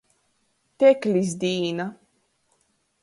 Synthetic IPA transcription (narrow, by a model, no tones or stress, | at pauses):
t̪eklʲiz̬d̪iːna